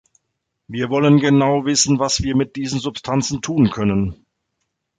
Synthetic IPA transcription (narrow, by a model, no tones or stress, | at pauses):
viːɐvɔlənɡənaʊvɪsn̩vasv̥iːɐmɪt̚d̥iːzn̩zʊpstʰant͡sn̩tʰuːnkʰœnən